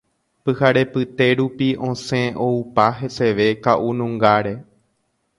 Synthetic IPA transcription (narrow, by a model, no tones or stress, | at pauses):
pɨhaɾe̞pɨt̪e̞ɾupiõ̞sẽ̞oupaɦese̞ʋe̞kaʔunũŋɡaɾe̞